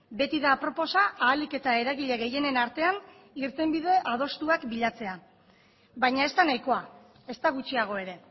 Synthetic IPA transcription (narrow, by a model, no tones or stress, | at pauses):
be̞t̪iðapɾo̞po̞saʔaːlike̞t̪ae̞ɾaɣiʎe̞ɣe̞je̞ne̞naɾt̪e̞an | iɾt̪e̞mbið̞e̞ʔað̞o̞st̪uakbiʎat͡se̞a | bajɲae̞st̪anajko̞a | e̞st̪aɣ̞ut͡ʃiaɣ̞o̞e̞ɾe̞